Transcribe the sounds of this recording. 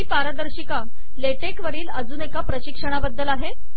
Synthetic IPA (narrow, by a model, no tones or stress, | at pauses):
iːpaɾəd̪əɾɕika | leʈekʋəɾiːləd͡zuːnekapɾəɕikʂəɽ̃abəd̪ːəlaɦe